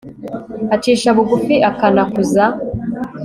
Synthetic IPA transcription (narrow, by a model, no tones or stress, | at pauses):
at͡ʃiːʃaβuɡufiʔakanakuza